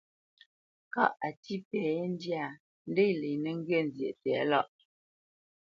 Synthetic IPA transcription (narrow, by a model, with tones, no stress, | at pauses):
ka̰˦˨ʔa˨ti˦pɛ˨˦n˦dja˦˨ | n̩˦de˦le˨nə˦ŋ̩˦ɡɥe˦˨n˨zje˨ʔtɛ˨˦la˦˨ʔ